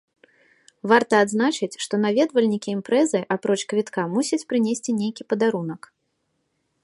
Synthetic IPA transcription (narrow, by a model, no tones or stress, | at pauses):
vart̪ɐːd̪znat͡ʃɨt͡sʲʂt̪ɔnavʲɛd̪vɐlʲnʲikʲiːmpɾɛzɨʔapɾɔt͡ʂkvʲit̪kamusʲɐt͡sʲpɾɨnʲesʲt͡sʲinʲejkʲipɐd̪aɾunɐk